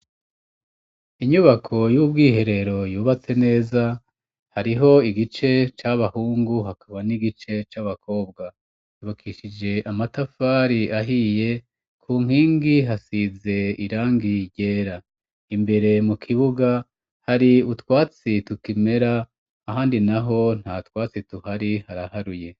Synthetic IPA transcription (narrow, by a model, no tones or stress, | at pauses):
iɲuβakʰo̞jubɡiːɦe̞ɾe̞ɾo̞juːβat͡se̞ne̞ːza | haɾiɦo̞iɡit͡ʃe̞t͡ʃaβahuːŋɡuɦakʰaβaniɡit͡ʃe̞t͡ʃaβakʰo̞ːbɡa | juβakʰiːʃid͡ʒe̞ʔamatafaːɾiʔaɦije̞ | kʰuːŋ̥hiːŋɡiɦasize̞iɾaːŋɡiɟe̞ːɾa | imbe̞ɾe̞mukʰiβuɡa | haɾiutwaːt͡situkime̞ɾaː | ɦaːndinaɦo̞n̥hatwaːt͡situhaɾihaɾahaɾuje̞